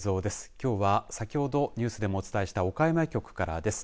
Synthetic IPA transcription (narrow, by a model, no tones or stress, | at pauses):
zo̞ːd̪e̞sɨ̥kʲo̞ːβasakʲiho̞d̪o̞ɲ̟ɨːsɨd̪e̞mo̞ːt͡sɨ̥t̪aeɕi̥t̪ao̞kaemaekʲo̞kɯ̟̥kaɾa̰d̪e̞sɨ̥